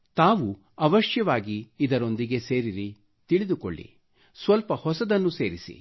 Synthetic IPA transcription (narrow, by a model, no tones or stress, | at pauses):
t̪aːʋu | ɐʋɐʃjɐʋaːɡiːd̪ɐɾo̞nd̪iɡe̞se̞ːɾiɾi | t̪iɭid̪uko̰ɭːḭ | sʋɐlpɐhɔsɐd̪ɐnːuse̞ːɾisḭ